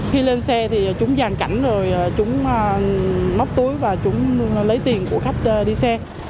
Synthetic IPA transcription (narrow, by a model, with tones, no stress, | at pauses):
xi˧le˧nsɛ˧t̪ʰi˨˩˨t͡ɕʊ˨˦ŋ͡mzaː˨˩ŋka˧˩jŋ̟zo˨˩jʔa˨˩t͡ɕʊ˨˦ŋ͡mma˦˥k͡p̚t̪u˨˦jvaː˨˩t͡ɕʊ˨˦ŋ͡mlə˨˦jt̪i˨˩ənku˧˩əxa˦˥jk̟̚ʔəː˧ɗi˧sɛ˧